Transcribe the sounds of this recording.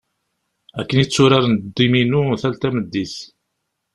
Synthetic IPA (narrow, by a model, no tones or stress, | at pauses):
ækːənit͡sːʊɾaɾnd̪ːiminuθælt̪æməd̪ːiθ